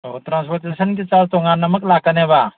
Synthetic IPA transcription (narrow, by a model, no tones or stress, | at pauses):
otɾãnspɔɾt̪esənk̬it͡ʃalt̪ɔŋanɐmək̚lakəneba